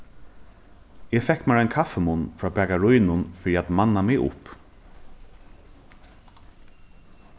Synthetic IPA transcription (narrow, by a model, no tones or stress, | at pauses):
ɛːfɛkmaɹajnkʰafɛmʊnfɹaːbɛːkaɹʊjnʊnfɪɾiat̪manːamɪʊ̰p